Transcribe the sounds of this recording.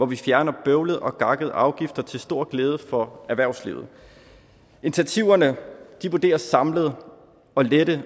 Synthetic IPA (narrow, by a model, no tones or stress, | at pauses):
ʋɒʋifjæɐnɐb̥øʊləð̞̩ˠɒ̽ɡ̥ɑ̈ɡ̥əð̞̩ˠɑ̈ʊɡ̥ifd̥ɐt͡sʰe̝lsd̥o̝ɐ̰ɡ̥leːð̞ˠəfɒ̽æɐʋæɐʊslḭʊð̞̩ˠ | e̝nt͡sʰiæt͡sʰiʊ̰ɐnəd̥iʋud̥e̝̰ːɐsɑ̈mləð̞ˠ | ɒ̽led̥ə